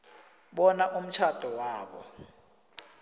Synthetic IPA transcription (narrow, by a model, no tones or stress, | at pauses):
ɓɔnaʔum̩t͡ʃʰad̥ʱɔwaːɓɔ̰